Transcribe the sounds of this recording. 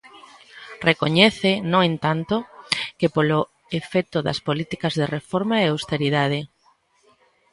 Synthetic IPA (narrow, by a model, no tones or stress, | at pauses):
rekoɲɛθɪnõŋẽnt̪ant̪okepolo | efɛt̪oðɐ̰spolit̪ikɐzðerefoɾmaeawst̪eɾiðað̞ɪ